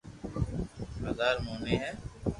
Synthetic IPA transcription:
həzaːɾmoːneːɦɛː

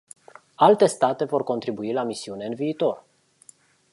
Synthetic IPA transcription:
alt̪e̞st̪at̪e̞vo̞rko̞nt̪ɾibuilamisiune̞ɨnviːt̪o̞r

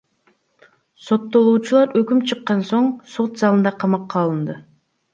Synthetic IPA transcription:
so̞t̪ːo̞lˠuːt͡ʃulˠɑɾøkʲymt͡ʃʰɨqːɑnsoɴsot̪zɑlˠɯnd̪ɑqʰɑmɑqːɑlˠɯnd̪ɯ

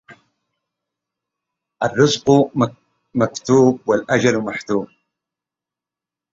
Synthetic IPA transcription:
ʔarˤːɨzq | makt̪uːb̚walʔad͡ʒalmaħt̪uːb̚

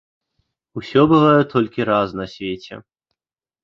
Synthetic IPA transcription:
usʲɔbɨvajɛt̪ɔlʲkʲiɾaznɐsʲvʲet͡sʲɛ̰

